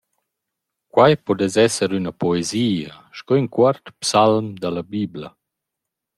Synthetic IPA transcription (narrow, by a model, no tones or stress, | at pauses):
kwajpɔd̪ɛzɛsəɾynapɔeziːa | ʃkɔinkwaɾt̪psalmd̪alabibla